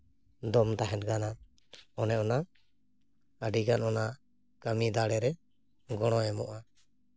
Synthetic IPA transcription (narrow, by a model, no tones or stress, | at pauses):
d̪ɔmt̪aɦɛ̃t̚ɡana | ɔnɛʔɔna | əɖiɡanɔna | kamid̪aɽɛɾɛ | ɡɔɽ̃ɔɛmɔʔa